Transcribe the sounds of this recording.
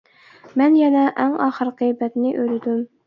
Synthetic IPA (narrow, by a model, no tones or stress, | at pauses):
mɛnjɛnɛʔæŋɑːχəɾqɨjbɛt̪nɪʔølɪd̪ym